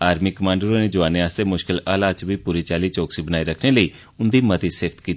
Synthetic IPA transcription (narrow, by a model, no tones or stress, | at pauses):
aːɾmiːkəmãːɳɖəɾõːneːd͡ʒəʋaːneːaːst̪eːmʊʃkɪlaːlaːt͡ʃʋiːpuːɾiːt͡ʃaːliːt͡ʃoːksiːbənaːiːɾəkʰneːləiː | ʊnd̪iːmət̪iːsɪːft̪kiːt̪